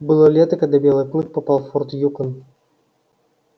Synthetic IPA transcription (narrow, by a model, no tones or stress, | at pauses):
bɨlˠɔlʲet̪əkɐd̪abʲɛlˠɨjklˠɨk̚pɐpalˠfɔrt̪jukən